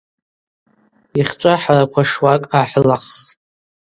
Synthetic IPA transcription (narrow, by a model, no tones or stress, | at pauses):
iχʲt͡ʃʷʼaħarakʷʰaʂwakʼaħlaχʼ